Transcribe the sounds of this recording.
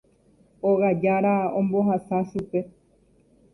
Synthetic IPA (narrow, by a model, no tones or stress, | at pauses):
oɣad͡ʒaɾaõmbo̞ɦasaʃupe̞